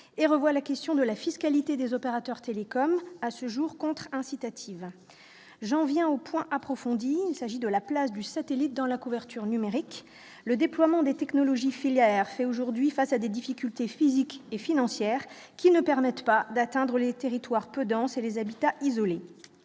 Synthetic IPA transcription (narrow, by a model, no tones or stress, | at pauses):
eʁəvwalakʲɛst̪jɔ̃d̪əlafiskalit̪ed̪ezɔpeʁat̪œʁt̪elekɔmasəʒuʁkɔ̃t̪χɛ̃sit̪at̪ʰiv | ʒɑ̃vjɛ̃opwɛ̃ʔapχɔfɔ̃d̪iːlsaʒid̪əlaplasd̪ysat̪elit̪̚d̪ɑ̃lakuvɛʁt̪yʁnymeʁik | ləd̪eplwamɑ̃d̪et̪ɛknɔlɔʒifiljɛʁfɛoʒuʁd̪ɥifasad̪ed̪ifikʲylt̪efizikefinɑ̃sjɛʁ | kʲinəpɛʁmɛt̪pad̪at̪ɛ̃d̪ʁəlet̪eʁit̪waʁpød̪ɑ̃selezabit̪aʔizɔle